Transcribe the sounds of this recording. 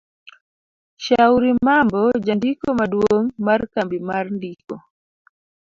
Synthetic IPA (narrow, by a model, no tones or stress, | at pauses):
ʃauɾimambɔd͡ʒandikɔmaɗuoŋmaɾkambimaɾndikɔ